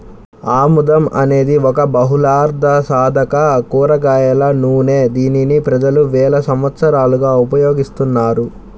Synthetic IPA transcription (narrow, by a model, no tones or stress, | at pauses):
aːmud̪ɐmʔɐ̰ne̞ːd̪iɔkɐbɐɦulaːɾd̪ʱɐsaːd̪ʱɐkɐkuːɾɐɡaːjɐlɐnuːne̞ːd̪iːninipɾɐd͡ʒɐluʋɛːlɐsɐmʋɐt̪sɐɾaːluɡaːupɐjoːɡist̪unːaːɾu